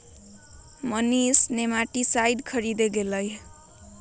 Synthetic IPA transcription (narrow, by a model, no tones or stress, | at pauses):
mʌnisnemaʈisajɖkʰʌɾid̪eɡelʌj